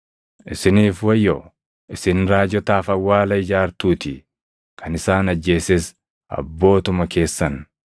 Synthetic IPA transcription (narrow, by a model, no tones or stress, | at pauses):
ʔɪsɪniːfwɐjːɔ | ʔɪsɪnɾaːd͡ʒɔt̪aːfɐwːaːlɐɪd͡ʒaːɾt̪uːt̪ɪ | kʰɐnɪsaːnɐd͡ʒːe̞ːsɛs | ʔɐ̰bːo̞ːt̪ʊmɐkʰe̞ːsːɐn